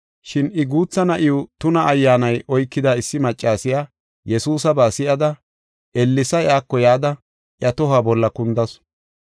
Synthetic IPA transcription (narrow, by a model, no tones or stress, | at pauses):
ʃɪnɪɡuːt͡sːɐnɐʔɪʊt̪ʊnɐːjːaːnɐjʔɔjkːɪd̪aːɪsːɪmɐt͡ʃʼːaːsɪjaː | jɛsuːsɐbaːsɪʔɐd̪ɐ | ʔɛlːɪsɐjaːkːɔjaːd̪ɐ | ʔjɐt̪ɔɦaːbɔlːɐkʊnd̪ɐs